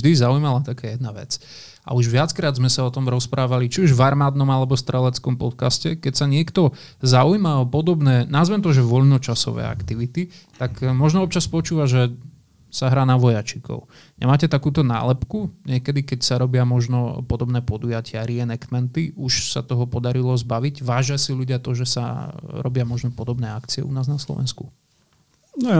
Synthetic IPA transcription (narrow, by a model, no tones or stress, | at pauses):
ʒd̪izaujmalat̪akaːjɛd̪naʋɛ̰t͡s | ʔa̰uʒʋɪat͡skɾaːd̪zmɛsaɔt̪ɔmɾɔspɾʔaːʋalit͡ʃiuʒʋaɾmaːd̪nɔmalɛbɔfst̪ɾɛlɛt͡skɔmpɔt̪kascɛkɛcsaɲɪɛkt̪ɔ | zaujmaɔpɔd̪ɔbnɛːnazʋɛmt̪ɔʒɛʋɔʎnɔt͡ʃasɔ̰ʋɛ̰ːa̰kt̪iʋit̪it̪akmɔʒnɔɔpt͡ʃaspɔt͡ʃuːʋaʒɛ | saɦɾaːnaʋɔjat͡ʃikʰɔ̰ʊ | ɲɛ̰maːcɛt̪akuːt̪ɔna̰ːlɛpkuɲɪɛkɛd̪ikɛcsaɾɔbɪamɔʒnɔpɔd̪ɔbnɛːpɔd̪ujacɪaɾiɛnɛkt̪mɛnt̪iʔuʃsa̰t̪ɔɦɔpɔd̪aɾilɔzbaʋiɟʋaːʒɪasiʎuɟɪat̪ɔʒɛsa̰ɾɔ̰bɪamɔʒnɔpɔd̪ɔbnɛːakt͡siɛ̰ṵnaːznaslɔ̰ʋɛ̰nsku | nɔ